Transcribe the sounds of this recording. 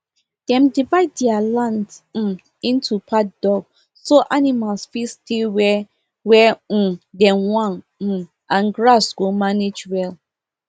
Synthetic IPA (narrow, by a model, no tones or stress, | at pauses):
d̥ɛ̃mdivaɪd̚dɛalãnt̩ | ĩntʰupʰat̚dɔɡ | soʔanimalsfistʰiwɛ | wɛ̃dɛ̃mwãn̩ | ãnɡɹasɡomaned͡ʒwɛl